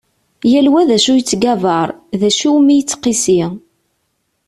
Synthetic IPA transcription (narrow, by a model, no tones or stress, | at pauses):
jælwæðæʃujət͡sːɡævɑɾˤðæʃuwmijət͡sːqːisi